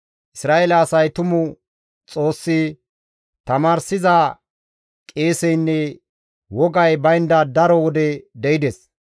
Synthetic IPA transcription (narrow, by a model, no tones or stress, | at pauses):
ʔɪsɾaːʔelɐːsɐjt̪ʊmʊ | t͡sʼo̞ːsːɪ | t̪ɐmaːɾsɪza | kʼe̞ːsɛjnːɛ | wɔɡɐjbɐjnd̪ɐd̪ɐɾɔwɔd̪ɛd̪ɛɪd̪ɛs